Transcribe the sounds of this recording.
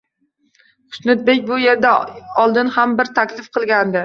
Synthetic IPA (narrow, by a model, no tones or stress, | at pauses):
qʊ̥snʊt̪̚be̞kʲbʊje̞ɾd̪aɒlˠd̪ɪnhambɪɾt̪ʰakʲlɪfqʰɨlˠɡʲand̪ɪ